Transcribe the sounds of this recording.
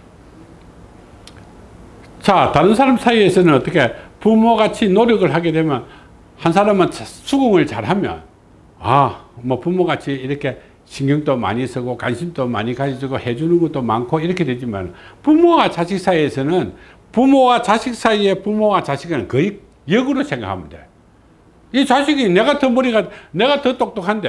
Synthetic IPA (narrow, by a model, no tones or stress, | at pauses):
t͡ɕataɾɯns̬ʰaɾamsʰaiesʰʌnɯnʌt͈ʌkʰe̞pumoɡat͡ɕʰinoɾjʌɡɯɭɦaɡe̞dwe̞mjʌn | hans̬ʰaɾamɯnsʰuɡuŋɯɭt͡ɕaɾɦamjʌ̰n | amʌpumoɡat͡ɕʰiiɾʌkʰe̞ | ɕʰiŋɡjuŋtoma̰ɲisʰɯɡoka̰nɕʰimtoma̰ɲikad͡ʑisɯɡohe̞d͡ʑunɯnɡʌt͈oma̰nkʰoiɾʌkʰe̞dwe̞d͡ʑima̰nɯ̰npumowat͡ɕaɕʰik̚s͈aiesʰʌnɯn | pumowat͡ɕaɕʰik̚s͈aie̞pumowat͡ɕaɕʰiɡanɯnkɯik̚ | jʌɡuɾosʰe̞ŋɡa̰kʰamɯnde̞̰ | it͡ɕaɕʰiɡine̞ɡatʌmoɾiɡadne̞ɣatɯt͈ok̚t͈okʰande